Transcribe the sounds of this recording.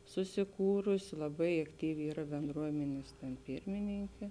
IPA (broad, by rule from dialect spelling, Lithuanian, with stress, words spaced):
sʊsʲɪˈkuːrʊsʲɪ lˠɐˈbɐɪ ɐkˈtʲiːʋʲɪ ˈiːrɐ bʲɛnˈdruɔmʲɛnʲeːs tʲɛn ˈpʲɪrʲmʲɪnʲɪŋʲkʲeː